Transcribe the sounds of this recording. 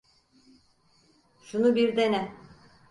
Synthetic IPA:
ʃunubiɾd̪enɛ

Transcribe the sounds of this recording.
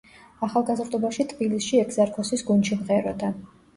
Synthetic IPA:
aχalˠɡazɾd̪ʼɔbaʃit̪ʼbilisʃiɛkzaɾkʰɔsisɡunt͡ʃimqʼɛɾɔd̪a

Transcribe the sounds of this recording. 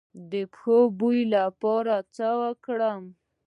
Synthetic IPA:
d̪əpxobujlapɑɾat͡səwəkɽəm

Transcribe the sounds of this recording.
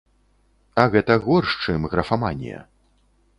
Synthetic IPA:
ɐɣɛt̪ɐɣɔrʂt͡ʂɨmɣɾɐfamanʲjɛ̰

